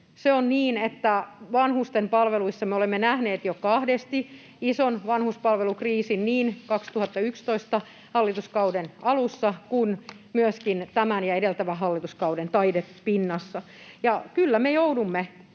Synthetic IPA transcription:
seonniːnet̪ːæʋɑnhust̪empɑlʋeluisːɑmeolemːenæhneːt̪jokɑhdest̪i | isonʋɑnhuspɑlʋelukriːsinniːnkɑkst̪uhɑt̪ːɑykst̪oist̪ɑ | hɑlːit̪uskɑudenɑlusːɑkun | myøskint̪æmænjɑedelt̪æʋæɦɑlːit̪uskɑudent̪ɑidepinːɑsːɑ | jɑkylːæmejoudumːe

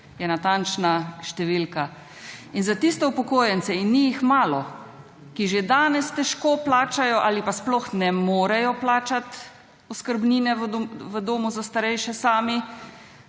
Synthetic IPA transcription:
jɛnat̪ant͡ʃnaʃt̪ɛʋilka | inzat̪ist̪ɛupɔkoːjɛnt͡ssɛinːijixmaːlɔ | kiʒed̪aːnɛst̪ɛʃkoːplaːt͡ʃajɔʔaːlipasplɔxnɛmoːɾɛjɔplaːt͡ʃat̪ | ɔskəɾbniːnɛʋʋəd̪oːmuzast̪aɾɛjʃɛsaːmi

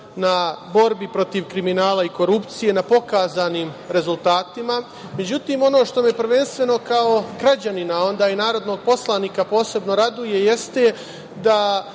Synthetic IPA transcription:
nabo̞ɾbipɾo̞t̪iʋkɾiminaːlˠaiko̞ɾupt̪sije̞napo̞kaːzaːniːmɾe̞zulˠt̪aːt̪ima | me̞d͡ʑut̪iːmo̞no̞ːʃt̪o̞mepr̩ʋenst̪ʋe̞no̞kaoɡɾad͡ʑaninao̞nd̪aːinaːɾo̞d̪no̞ːɡ̚po̞slˠaniːkapo̞ːse̞bno̞ɾad̪uje̞je̞st̪e̞ | d̪a

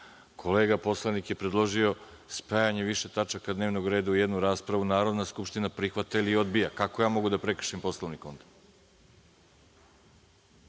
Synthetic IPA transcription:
kʰo̞le̞ːɡapo̞slˠanikje̞pɾed̪lˠo̞ʒio̞ | spajaɲeʋiʃe̞t̪at͡ʃakad̪neʋno̞ɡɾe̞ːd̪aujed̪nuɾaːspɾaʋunaːɾo̞d̪naskupʃt̪inapɾixʋat̪ailio̞d̪bijakakojaːmo̞ɡud̪apɾekr̩̥ʃimpo̞slˠoʋniko̞nt̪ḁkt̪

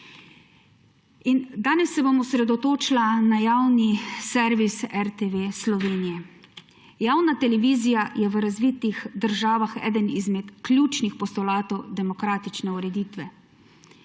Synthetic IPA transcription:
ind̪aːnɛsːɛbomɔsɾɛd̪ɔt̪oːt͡ʃilanajaːwnisɛɾʋisɛɾt̪eʋeːslɔʋeːnijɛ | jaːwnat̪ɛlɛʋiːzijajɛʋəɾazʋiːt̪ixd̪əɾʒaːʋaxɛ̰ːd̪ənizmɛt̪klʲjuːt͡ʃnixpɔst̪ɔlaːt̪ɔwd̪ɛmɔkɾaːt̪it͡ʃnɛuɾɛd̪iːt̪ʋɛ

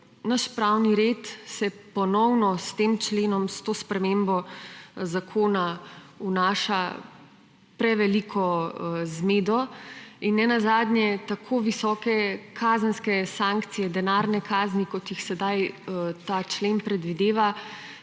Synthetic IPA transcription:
naʃpɾawniɾet̪sɛpɔnɔwnɔst̪eːmt͡ʃleːnɔmst̪oːspɾɛmembɔzakʰoːnaunaːʃa | pɾɛʋɛlikʰɔzmeːd̪ɔinːɛnazaːd̪nʲjɛt̪akʰoːʋisɔːkɛkʰaːzənskɛsãŋkt̪sijɛd̪ɛnaːɾnɛkaːznikɔt̪jixsɛd̪ajt̪aːt͡ʃlenpɾɛd̪ʋid̪eːʋa

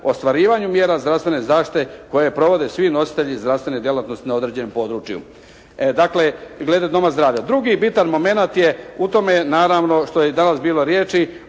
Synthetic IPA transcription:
ost̪ʋaɾiːʋaɲumje̞ːɾazd̪ɾafsʋe̞nezaːʃt̪i̥t̪eko̞jepɾo̞ʋo̞d̪e̞sʋino̞si̥t̪e̞ʎizd̪ɾafst̪ʋe̞ned̪je̞lat̪nost̪inao̞d̪ɾe̞d͡ʑe̞nompo̞ːd̪ɾut͡ʃijṵ | d̪akle̞ɡle̞d̪ed̪o̞mazd̪ɾaːʋʎad̪ɾuɡibit̪anmo̞me̞nat̪je̞ut̪o̞menaːɾaːʋno̞ʃt̪ojed̪anasbiːlo̞ɾje̞ːt͡ʃi

